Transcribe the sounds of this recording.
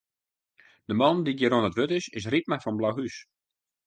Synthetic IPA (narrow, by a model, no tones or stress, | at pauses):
d̥əmɑndiɡəɾonətʋøtɪsɪsrit̚mafɔnblaɦys